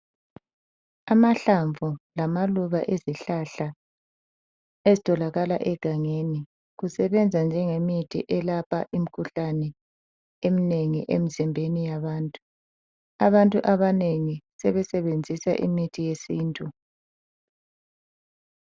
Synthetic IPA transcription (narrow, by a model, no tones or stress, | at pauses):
amaɬaɱvulamaluβa̰ʔeziɬaɬa | ezitʼɔlaɣala̰ʔɛɡ̥ʱaŋeni | ɣusɛβɛnd͡zʱand͡ʒʱɛŋemitʰḭʔɛlapʰaʔim̩kʰuɬanɛ | emineŋiʔḛmizimbʱenijaβaːntʼu̥ | a̰βantʼuʔaβaneŋisɛβɛsɛβend͡zʱisa̰ʔḭmitʰijesiːntʼu